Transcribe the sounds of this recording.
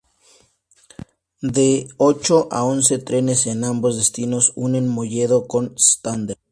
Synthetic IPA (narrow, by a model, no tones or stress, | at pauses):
d̪eo̞t͡ʃo̞ʔa̰onse̞t̪ɾe̞ne̞senambo̞zðest̪ino̞sune̞nmoʝe̞ð̞o̞ko̞nst̪and̪eɾ